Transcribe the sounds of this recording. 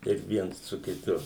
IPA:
kɐɪp ˈʋʲiɛns sʊ kʲɪˈtʊ

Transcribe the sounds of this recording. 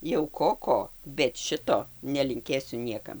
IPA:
jɛʊ ˈkoː ˈkoː bʲɛt ˈʃʲɪtoː nʲɛlʲɪŋʲˈkʲeːsʲʊ ˈnʲiɛkɐm

